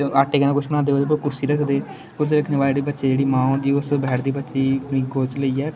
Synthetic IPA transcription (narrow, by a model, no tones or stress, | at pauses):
aːʈeːkənãːkʊt͡ʃʰmənãːd̪eːɦoːd̪eːpəkʊɾsiːɾəkʰd̪eː | kʊɾs̬iːɾəkʰneːʋaːleɖ̪iːbətːʃeːd͡ʒeːɽiːmãːɦõːnd̪iːʊsbɛɦɾd̪iːbətːʃiːĩːɡoːt͡ʃləiːɛː